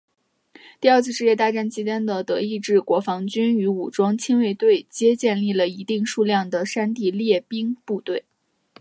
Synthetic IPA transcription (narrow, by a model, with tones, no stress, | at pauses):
t̪i˥˧ɐ˞˥˧t͡s̩ʰ˥˧ʂɻ̩˥˧jɛ˥˧t̪a˥˧ʈ͡ʂa˥˩nt͡ɕʰi˧˥t͡ɕjɛ˥nd̪ə˨t̪ɤ˧˥i˥˧ʈ͡ʂɻ̩˥˩kwɔ˧˥fɑ˧˥ŋt͡ɕy˥ny˧˥u˨˩ʈ͡ʂwɑ˥ŋt͡ɕʰi˥nwe˥˧ɪt̪we˥˩ɪt͡ɕjɛ˥t͡ɕjɛ˥˧nli˥˩lə˩i˧˥t̪i˥˧ŋʂu˥˧ljɑ˥˩ŋd̪ə˩ʂa˥nt̪i˥˧ljɛ˥˩pi˥ŋpu˥˧t̪we˥˩ɪ